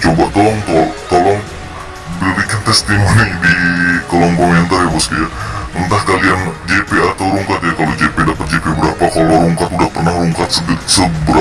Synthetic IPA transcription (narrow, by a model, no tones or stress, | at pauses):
t͡ʃobat̪olɔŋt̪ot̪olɔŋ | bəɾikant̪ɛst̪imonidikolɔŋkomɛnt̪arjapaskijaənt̪ahkaliand͡ʒepeat̪awɾuŋkat̪̚jakalod͡ʒepedapət̪̚d͡ʒepebəɾapakaloɾuŋkat̪udahpərnahɾuŋkat̪̚səsəbəɾa